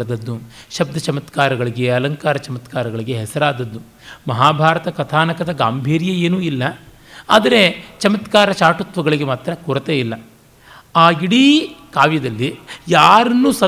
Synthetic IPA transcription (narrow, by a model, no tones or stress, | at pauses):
d̪ɐd̪ːuʃɐb̚d̪ʱɐt͡ʃɐmɐt̪kaːɾɐɡɐɭiɡe̞ɐlɐŋkaːɾɐt͡ʃɐmɐt̪kaːɾɐɡɐɭiɡe̞ɦɛsɐɾaːd̪ɐd̪ːu | mɐɦaːbʱaːɾɐt̪ɐkɐt̪ʰaːnɐkɐd̪ɐɡaːmbʱiːɾjɐeːnuːilːɐ | a̰ːd̪ɐɾet͡ʃɐmɐt̪kaːɾɐt͡ʃaːʈut̪ʋɐɡɐɭiɡemaːt̪ɾɐkɔɾɐt̪eilːɐ | aːiɽikaːʋjɐd̪ɐlːijaːɾɐnːuːsɐ